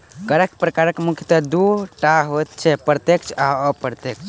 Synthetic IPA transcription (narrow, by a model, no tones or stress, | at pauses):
ɡəɾekpɾəkaɾəkmukʰjət̪əd̪uʈaɦot̪t͡ʃʰɛpɾt̪ekt͡ʃʰaəpəɾt̪ekt͡ʃʰ